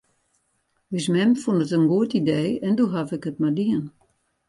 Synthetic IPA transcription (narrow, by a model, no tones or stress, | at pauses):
ʋismɛmfundətənɡuətideːɛnduɦafɪkɦət̚madiən